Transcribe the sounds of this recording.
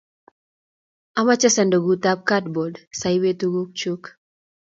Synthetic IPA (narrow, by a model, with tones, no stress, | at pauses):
a˦ma˦t͡ʃɛ˦sa˨ndo˨ɡuta˦p̚katbo˨dsajwe˦tuɡu˦k̚t͡ʃuk